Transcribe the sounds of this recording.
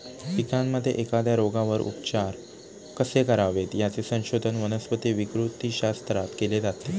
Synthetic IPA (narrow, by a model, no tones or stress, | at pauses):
fikãnməd̪ʱːjeʔekad̪jaɾoɡãʋəɾṵpt͡ɕaɾ | kəsekəɾaʋet̪jat͡sesə̃w̃ɕod̪ʱənʋənəsʋət̪eʋikɾut̪iːɕast̪ɾat̪keled͡zat̪e